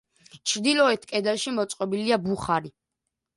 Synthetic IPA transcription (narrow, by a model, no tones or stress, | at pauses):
t͡ʃʰɾd̪ilɔɛt̪ʰkʼɛd̪ɛlʃimɔt̪sʼqʼɔbiliabuχaɾi